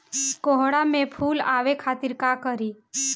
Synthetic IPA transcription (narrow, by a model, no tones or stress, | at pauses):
koɦɽamẽpʰuːlaːʋekʰaːt̪iɾkakəɾiː